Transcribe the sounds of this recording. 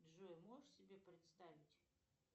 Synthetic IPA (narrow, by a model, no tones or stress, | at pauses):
d̪ʐujɛmoʂsʲɪbʲepɾʲɪt̪st̪avʲɪtʲ